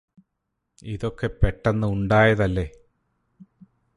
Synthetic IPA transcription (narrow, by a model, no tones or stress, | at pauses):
iðo̞kːe̞peʈːɐnːɨuɳɖaːjɐðɐlːe̞